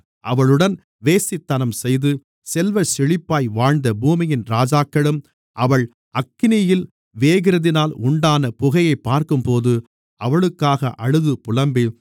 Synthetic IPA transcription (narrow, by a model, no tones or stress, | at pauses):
ʔɐʋɐɭɯɽɐn | ʋeːsɪt̪ːɐnɐmsɛjðɯ | sɛlʋɐsɪɻɪpːaːjʋaːɻnd̪ɐbuːmɪjɪnɾaːd͡ʒaːkːɐɭɯm | ʔɐʋɐɭ | ɐkːɪnɪjɪl | ʋeːɣɪɾɐðɪnaːlʊɳɖaːnɐpʊɣɐjɐɪpːaːɾkɯmpoːðɯ | ʔɐʋɐɭɯkːaːɣɐʔɐɻɯðɯpʊlɐmbi